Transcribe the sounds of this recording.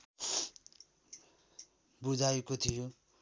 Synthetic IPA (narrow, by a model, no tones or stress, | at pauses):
bud͡zajkot̪ʰijo